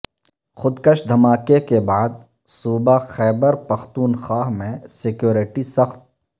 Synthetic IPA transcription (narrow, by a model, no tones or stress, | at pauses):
xʊd̪kəʃd̪ʱɐmaːkekebaːd̪̚ | suːbaxɛːbəɾpɐxt̪uːnxaːɦmẽsɪkjoːɾɪʈisɐxt̪̚